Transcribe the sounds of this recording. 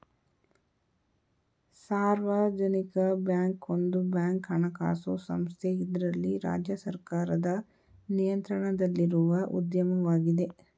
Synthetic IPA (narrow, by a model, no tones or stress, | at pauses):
saːɾʋaːd͡ʒɐnikɐbjaːŋkond̪ubjaːŋkɦɐɳɐka̰ːsosɐ̰mst̪ʰeid̪ɾɐlːiɾa̰ːd͡ʒjɐsɐɾkaːɾɐd̪ɐ | nijɐnt̪ɾɐɳɐd̪ɐlːiɾuʋɐʔṵd̪jɐmɐʋaːɡid̪e̞